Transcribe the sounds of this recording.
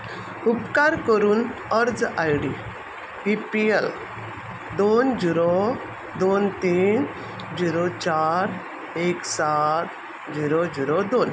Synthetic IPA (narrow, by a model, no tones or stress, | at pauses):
upkaɾkəɾuːnəɾd͡zajɽi | pipiel | d̪ond͡ʑiɾɔ | d̪ont̪iːn | d͡ʑiɾɔt͡ɕaɾ | eksat̪ | d͡ʑiɾɔd͡ʑiɾɔd̪on